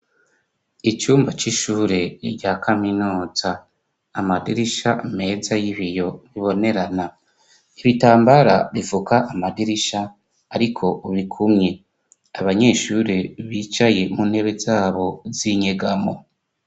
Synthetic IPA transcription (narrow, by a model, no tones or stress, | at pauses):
it͡ʃuːmbat͡ʃiʃuːɾeɾɟaːkʰaminuːz̥aː | madiɾiʃame̞ːzajiβijo̞βiβo̞ne̞ɾana | iβitaːmbaɾaβivukaʔamadiɾiʃaː | ɾikʰo̞βikʰumɲe̞ | aβaɲe̞ːʃuɾeβiːt͡ʃaje̞muːn̥he̞βe̞zaːβo̞ziɲeɡamo̰